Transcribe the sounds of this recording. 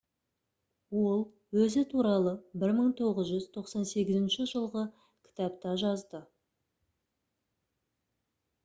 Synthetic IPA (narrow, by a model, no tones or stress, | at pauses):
wo̞lˠ | wɵzɪt̪ʰuɾɑlˠəbɪɾməɴt̪ʰo̞ʁəzʒʏzt̪ʰo̞qsɑnse̞ɡʲɪzɪnʃɪʒəlˠʁə | kʲʰɪ̥t̪ɑpt̪ɑʒɑzd̪ə